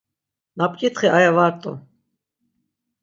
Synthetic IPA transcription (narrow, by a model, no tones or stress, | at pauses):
napʼkʼit̪χiʔajavaɾt̪ʼɔ̰